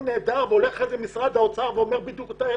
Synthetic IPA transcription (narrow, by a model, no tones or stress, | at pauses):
ne̞ːd̪aʁveo̞le̞χezemisʁad̪aot͡saʁveo̞meʁbid̪jukt̪a